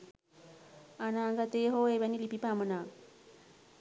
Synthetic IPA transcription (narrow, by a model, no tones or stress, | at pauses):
anaːŋɡat̪eːɦoːeʋɛnilipipamənaː